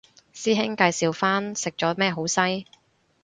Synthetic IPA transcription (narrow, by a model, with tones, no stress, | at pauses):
siː˥ɦɪ˥ŋkaː˧jsiː˨˧wfaː˥nsɪ˨k̚t͡ʃɔː˨˥mɛː˥ɦo˨˥wsɐ˥j